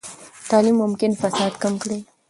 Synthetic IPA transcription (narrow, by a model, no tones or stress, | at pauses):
t̪ɑlimːʊmkɪnfasɑd̪kamkɽi